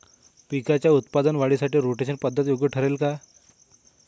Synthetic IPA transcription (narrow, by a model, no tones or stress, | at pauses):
pikat͡ɕjaut̪pad̪ənʋaɽisaʈiːɾoʈeɕənpəd̪ʱːət̪joɡjəʈʰəɾelka